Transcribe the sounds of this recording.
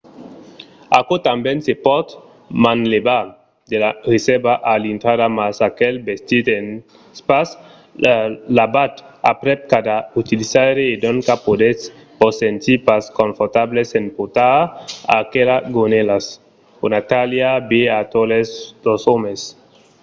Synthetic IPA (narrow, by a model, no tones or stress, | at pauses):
akot̪ambensepɔt̪ | manleba | d̪elaresebaʔalint̪ɾadamasakelbest̪it̪en | spas | labat̪a̰pɾep̚kad̪aut̪ilisaɾeːd̪oŋkapod̪es | posent̪ipaskoɱfoɾt̪ablesenpot̪aa̰kelaɡonelas | unat̪aljabeat̪oleslosomes